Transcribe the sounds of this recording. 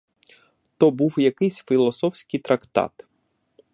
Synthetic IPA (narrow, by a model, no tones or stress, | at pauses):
t̪ɔbuwjɐkɪsʲfʲilˠɔsɔwsʲkʲijt̪ɾɐkt̪ɑ̰t̪